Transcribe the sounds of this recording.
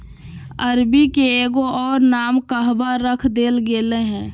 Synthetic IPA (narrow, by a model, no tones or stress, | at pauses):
əɾbikeeːɡoʔɔːɾnaːmkəɦbaɾəkʰd̪eːlɡeːleɦɛ̃ː